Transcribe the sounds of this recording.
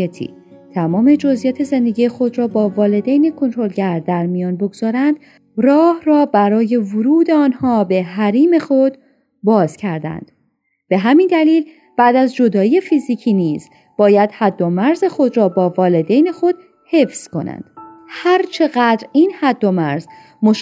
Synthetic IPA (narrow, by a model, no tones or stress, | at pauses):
et̪ʰḭː | t̪ʰæmɒːme̞d͡ʒo̞zʔijɒːt̪ʰe̞ze̞nd̪eɡijexo̞d̪ɾɒːbɒːvɒːle̞d̪ejne̞kʰo̞nt̪ʰɾo̞lɟæɾd̪æɾmijɒːnboɡz̥ɒːɾænd̪̥ | rɒːhrɒːbæɾɒːje̞voɾuːd̪eɒːnhɒːbe̞ɦæɾiːme̞xo̞d̪̥ | bɒːz̥cʰæɾd̪æ̰nd̪̥ | b̥e̞ɦæmind̪æliːl | b̥æʔd̪æzd͡ʒo̞d̪ɒːje̞fiːzicʰiːniːz̥ | b̥ɒːjæd̪̥hæd̪ːo̞mæɾze̞xo̞d̪ɾɒːbɒːvɒːle̞d̪ejne̞xo̞d̪̥ | he̞fz̥kʰo̞̰næ̰nd̪̥hæɾt͡ʃʰe̞ɣæd̪ɾiːnhæd̪ːo̞mæɾz | moʃ